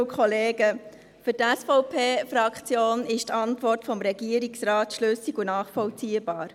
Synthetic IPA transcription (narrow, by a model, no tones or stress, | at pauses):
kʰχɔleːɡ̥ə | fyɾtæsfɔʊpʰeːfɾɑkt͡sjoːnɪʃtʰɑntʋɔrtfɔmɾɛɡiəɾiksrɑːtʃløsiɡunɑːχfɔlt͡siːəb̥ɑːɾ